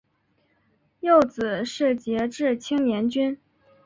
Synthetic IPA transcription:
jo˥˩ʊt͡sɹ̩˨˩ʂɻ̩˥˩t͡ɕjɛ˧˥ʈ͡ʂɻ̩˥˩t͡ɕʰi˥ŋnjɛ˧˥nt͡ɕy˥n

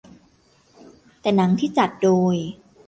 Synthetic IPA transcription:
t̪ɛː˨˩na˩˦˥ŋt̪ʰiː˥˩t͡ɕa˨˩t̪̚doː˧j

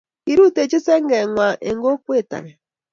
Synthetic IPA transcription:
i˨˦ɾu˦te˨t͡ʃe˦sɛ˦ŋ˦ɡɛ˨ŋʷwa˨ʔe˨ŋ˦ɡo˦kwe˦˨ta̰˨ŋɛ˨

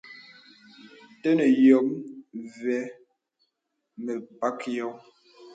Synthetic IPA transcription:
tə˦nə˨jɔ˨˦mvɛ˨˦ | mə˨pa˦kjɔ˨˦m

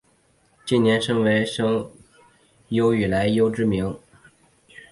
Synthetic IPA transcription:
t͡ɕi˥˩njɛ˧˥nʂɤ˥ŋwe˧˥ɪʂɤ˥ŋ | jo˥ʊy˨˩la˧˥ɪjo˥ʊʈ͡ʂɻ̩˥mi˧˥ŋ

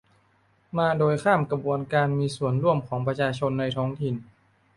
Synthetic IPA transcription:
maː˧doː˧jkʰaː˥˩mkɾa˧bu˧ənkaː˧nmiː˧su˨˩ənɾu˥˩əmkʰɔː˩˦ŋpɾa˧t͡ɕʰaː˧t͡ɕʰo˧nːa˧jt̪ʰɔː˦˥ŋt̪ʰi˨˩n

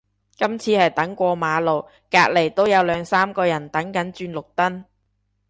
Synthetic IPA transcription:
kɐ˥mt͡sʰiː˧hɐ˨jt̪ɐ˨˥ŋkʷɔː˧maː˨˧lo˨w | kaː˧k̚le˨˩jt̪o˥wjɐ˨˧wlœː˨˧ŋsaː˥mkɔː˧jɐ˨˩nt̪ɐ˨˥ŋkɐ˨˥nt͡ʃyː˧nlʊ˨k̚t̪ɐ˥n

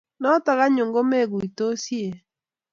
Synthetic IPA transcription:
nɔ˦ta˨ɣa˦ɲo˨ŋɡo˦me˦˨ɣu˨i˨to˦si˦e˨

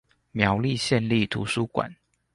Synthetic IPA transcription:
mjɑ˨˦ʊli˥˨ɕjɛ˥˧nli˥˨t̪ʰṵ˨˦su˦kwa̰˨˩˦n

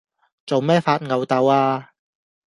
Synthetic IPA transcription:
t͡so˨wmɛː˥faː˧t̚ŋɐ˨˧wt̪ɐ˨˧waː˧

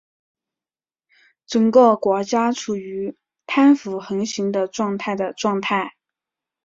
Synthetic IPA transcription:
ʈ͡ʂɤ˨˩ŋkɤ˥˩kwɔ˧˥t͡ɕja˥ʈ͡ʂʰu˨˩y˧˥ | t̪ʰa˥nfu˨˧˩xɤ˧˥ŋɕi˧˥ŋd̪ə˧ʈ͡ʂwɑ˥˧ŋt̪ʰa˥˩ɪd̪ə˩ʈ͡ʂwɑ˥˧ŋt̪ʰa˥˩ɪ

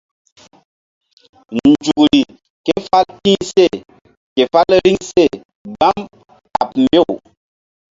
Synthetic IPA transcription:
n̩˨d͡ʒu˨kɾi˨ | ke˦fa˦ltĩ˦ŋse˦˨ | ke˨fa˦lɾi˦ŋse˦˨ | ba˦m | a̰˨p̚m̩˦be˦˨w

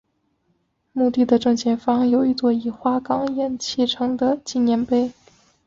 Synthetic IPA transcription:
mu˥˧t̪i˥˩d̪ə˩ʈ͡ʂɤ˥˧ŋt͡ɕjɛ˥˩nfɑ˥ŋjo˨˩ʊi˧˥˩t͡swɔ˥˩i˨˩xwa˥kɑ˥ŋjɛ˨˩nt͡ɕʰɛ˥˩ʈ͡ʂʰɤ˧˥ŋd̪ə˧t͡ɕi˥˩njɛ˧˥npe˥ɪ

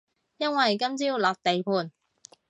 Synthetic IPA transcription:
jɐ˥nwɐ˨jkɐ˥mt͡siː˥wlaː˨p̚t̪e˨jpʰuː˨˧n

